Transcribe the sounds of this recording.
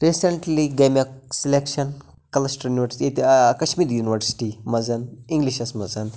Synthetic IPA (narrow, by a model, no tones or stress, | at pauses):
ɾiseɳʈliɡemjɐksilekʃɐn | kɐlɐsʈəɾjuniʋəɾsi̥ʈet̪ːkɐʃmiːɾjuniʋɐɾsi̥ʈimɐzɐniŋɡliʃɐsmɐzɐn